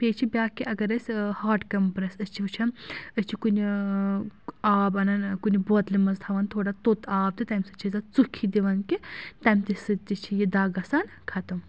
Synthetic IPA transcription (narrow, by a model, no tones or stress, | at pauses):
pʲeːt͡ʃʰibʲjaːkiʔɐɡɐɾɐsʲhaːʈkɐmpɾɐsɐst͡ʃʰiʋɐt͡ʃʰɐnəsʲt͡ʃʰikunʲ | aːbɐnɐnkunʲibot̪limɐzt̪ʰɐʋɐnt̪ʰoːɽat̪ot̪aːb̚d̪ɨt̪ɐmsɐt͡ʃʰizɐt͡sukʰːid̪iʋɐnkit̪ɐmʲt̪isɨt̪it͡ʃʰijid̪aːɡɐsaːnkʰɐt̪ɨm